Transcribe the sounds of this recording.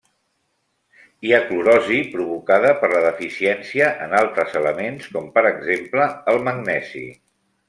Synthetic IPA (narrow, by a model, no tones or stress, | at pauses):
iakluɾɔzipɾuβukaðəpəɾləðəfisiɛnsiəʔənalˠt̪ɾəzələmenskɔmpəɾəɡzempləəlˠməɡnɛzḭ